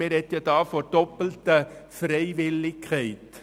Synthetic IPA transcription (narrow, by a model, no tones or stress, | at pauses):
eɾɛt̪jədɑːfoɾd̥ɔpəl̩təfrɛɪʋɪlɪkʰhɛɪt